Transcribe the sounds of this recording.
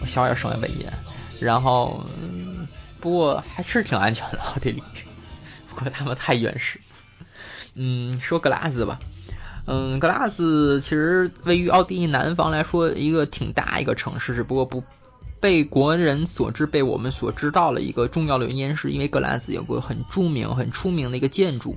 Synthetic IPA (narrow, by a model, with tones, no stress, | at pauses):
ɔ˧˩ɕjjɑ̰˨˧˩ʂə˧˥ŋma̰˧˩pə̰˨˩njɛ̰˧˥nɻa˧˥nxo˥˩ʊ˥˩ | pu˧˥kwɔ˥˩xa˧˥ɪʂɻ̩˥˩t̪ʰi˨˩ŋa˧˥nt͡ɕʰɥɛ˧˥nd̪ə˧ɑ˥˧ʊt̪i˥˧˩li˧˩˥pu˧˥kwɔ˥˩t̪ʰa˥mə˨nt̪ʰa˥˩ɪɥɛ̰˧nʂɻ̩˥˩ | n̩˥˩ʂwɔ˥kɤ˥la̰˥˩d͡zɹ̩˨˩bɐ̰˩n̩˥˩kɤ˥˩la˥d͡zɹ̩˨˩t͡ɕʰi˧˥ʂɻ̩˧˥we˥˩ɪy˧˥ʔɑ˥˧ʊt̪i˥˧li˥˩na˧˥nfɑ˧˥ŋla˧˥ɪʂwɔ˥i˧˥ɡə˧t̪ʰi˨˩ŋt̪a̰˥˩ḭ˧˥ɡə̰˧ʈ͡ʂʰɤ̰˧˥ŋʂɻ̩˥˩ʈ͡ʂɻ̩˧˩pu˧˥kwɔ˥˩pu˧˥ | pe˥˩ɪkwɔ˧˥ɻə˧˥nswɔ̰˨˩ʈ͡ʂɻ̩˥˧pe˥˩ɪwɔ̰˨˩mə˦nswɔ˨˩ʈ͡ʂɻ̩˥t̪ɑ˥˩ʊd̪ə̰˩ḭ˧˥ɡə˧ʈ͡ʂʊ˥˧ŋjɑ˥˩ʊd̪ə˩ɛ̰˧njɛ˥nʂɻ̩˥˩ḭ˥nwe˥˧ɪkɤ˧˥la̰˥d͡zɹ̩˧˩jo̰˨˩ʊɪɡə̰˥xə˨˩nʈ͡ʂu˥mḭ˧˥ŋxə˨˩nʈ͡ʂʰu˥mi˧˥ŋd̪ə˧i˧˥ɡə˧t͡ɕjɛ˥˧nʈ͡ʂṵ˥˩